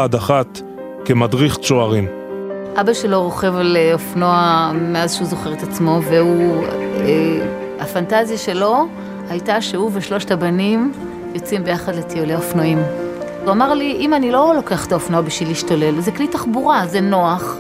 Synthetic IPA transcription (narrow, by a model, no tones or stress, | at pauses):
adaχat̪ | kemadʁiχt͡ʃoaʁim | ʔabaʃe̞lo̞ʁo̞χe̞vleofno̞ameazʃeuzo̞χeʁet̪at͡smo̞veu | e | afantazjaʃe̞lo̞ | hajtaʃeuveʃlo̞ʃtabanim | jo̞t͡simbe̞jaχadle̞tʰioleofnoimvamaʁliʔimanilo̞lo̞ke̞aχetaofnoabiʃviliʃtale̞lzeklitaχbuʁazeno̞aχ